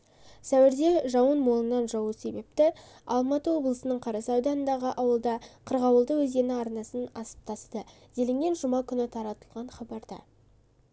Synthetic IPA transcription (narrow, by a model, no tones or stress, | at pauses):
sæwɪɾd̪e̞ʒɑwənmolˠənːɑnʒɑwəse̞be̞p̚t̪ɪ | ɑlˠmɑt̪əwo̞blˠəsənəɴqʰɑɾɑsɑwd̪ɑnənd̪ɑʁəʔɑwəlˠd̪ɑqʰəɾʁɑwəlˠd̪əwɵzd̪e̞nɪɑɾnɑsənɑsə̥p̚t̪ʰɑst̪ə | z̥elɪŋɡʲe̞nʒʊmɑkʲʰʏnɪt̪ʰɑɾɑt̪əlˠʁɑɴχɑbɑɾd̪ɑ̰